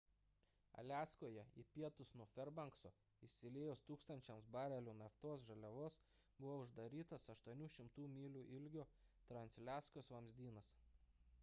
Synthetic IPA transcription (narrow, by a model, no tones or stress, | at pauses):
ɐ̰lʲæːskoːjɛḭpʲiɛt̪ʊsnuɔfʲɛɾbɐŋksoː | ɪʃʲsʲɪlʲeːjʊst̪uːkst̪ɐnʲt͡ʃʲɛmsbɑːɾʲɛlʲuːnɐft̪oːsʒɐlʲɛʋoːs | bʊʋoːʊʒd̪ɐɾʲiːt̪ɐsɐʃt̪uɔnʲuːʃʲɪmt̪uːmʲiːlʲuːʔɪlʲɡʲoːt̪ɾɐnʲsʲlʲæːskosʋɐmʲzʲd̪ʲiːnɐs